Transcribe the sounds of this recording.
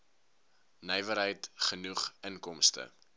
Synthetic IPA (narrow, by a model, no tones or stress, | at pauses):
nɛjvəɾɦəjtχənuχənkɔmstə̰